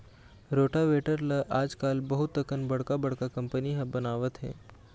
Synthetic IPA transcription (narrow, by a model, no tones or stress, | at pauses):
ɾoːʈaʋeʈəɾlaʔaːd͡ʒkaːlbəɦʊt̪ːəkənbɐɽkabəɽkakɐ̃mpəniɦə̃bənaːʋət̪ɦɛ̰̃ː